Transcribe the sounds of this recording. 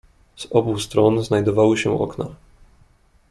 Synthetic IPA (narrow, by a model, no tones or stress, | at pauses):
z̥ɔbust̪ɾɔnznajd̪ɔvawɘɕɛ̰̃ʔɔ̰kna̰